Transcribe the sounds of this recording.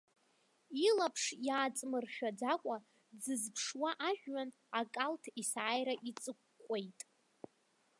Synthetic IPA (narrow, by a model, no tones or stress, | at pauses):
ilapʰʂjaːt͡sʼmɨrχʲᶣad͡zakʷʼa | d͡zɨzpʰʂwaʔaʒᶣɥan | akʼaltʰisaːjɾaʔit͡sʼɨkːʷʼejtʼ